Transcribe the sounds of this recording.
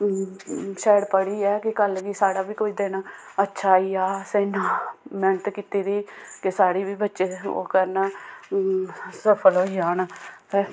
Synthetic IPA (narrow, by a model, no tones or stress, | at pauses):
ʃɛːəɽpəɽiːɛːkɪkəlʋiːsaːɽaːʋiːkoːiːd̪eːna | ətːʃʰaːiːaːsɛːnaːmɛːnət̪kiːt̪iːd̪iːkɪsaːɽiːʋiːbətːʃeːo̰ːkəɾn | səpʰəlɦoːiaːnt̪eː